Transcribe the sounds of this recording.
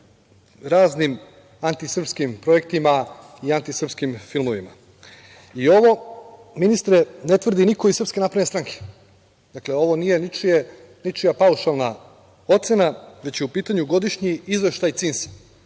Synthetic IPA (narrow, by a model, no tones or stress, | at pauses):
ɾaːznim | ant̪isr̩pskimpɾo̞e̞k̚t̪ima | iant̪isr̩pskimfilˠmoʋima | io̞ʋo̞ | minist̪ɾene̞t̪ʋr̩d̪inikoisr̩pske̞napɾanest̪ɾaŋkʰe̥ | d̪akleo̞ʋo̞nijenit͡ʃije | nit͡ʃijapauʃalˠna | o̞t̪se̞naʋe̞t͡ɕjeupiːt̪aɲuɡo̞d̪iʃɲiizʋe̞ʃt̪ajt̪sinsḁ